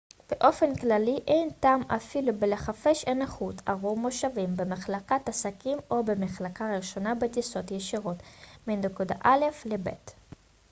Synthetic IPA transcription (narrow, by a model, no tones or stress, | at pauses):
b̥eʔo̞fe̞nklaliʔejntaːmafilubeleχafeʃenaχutaʁumo̞ʃavimbemaχlakatasakimo̞bemeχlakaʁeʃo̞nabetiso̞tjeʃiʁo̞tminekuda̰ʔale̞flebḛt